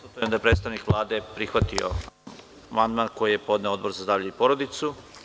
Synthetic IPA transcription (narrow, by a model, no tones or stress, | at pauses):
ut̪jemd̪aepɾet̪st̪aʋnikʋlˠaːd̪epɾixʋat̪io̰ | mand̪maːnko̞jije̞po̞d̪ne̞od̪̚bo̞ɾzazaʋʎeipo̞ɾod̪it̪su